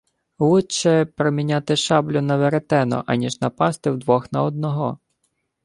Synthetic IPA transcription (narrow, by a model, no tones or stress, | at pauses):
wut͡ʃɛpɾɔmʲinʲat̪ɪʃɑblʲʊnɐʋeɾet̪ɛnɔ̰ʔɐnʲiʒnɐpɑst̪ɪwd̪ʋɔxnɐɔd̪̚nɔɦɔ